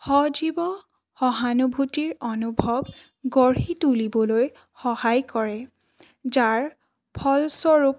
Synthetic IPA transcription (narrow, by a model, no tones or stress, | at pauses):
hɔd͡ʒibɔ | hɔɦanubʱutiɹɔnubʱɔb | ɡɔɹɦitulibɔloj | xɔhajkɔɹɛ | zaɹ | pʰɔlsɔɹup